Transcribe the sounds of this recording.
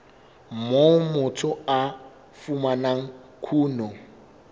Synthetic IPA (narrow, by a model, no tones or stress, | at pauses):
momʊtʰʊa | fumanaŋ̩kʰuːnɔ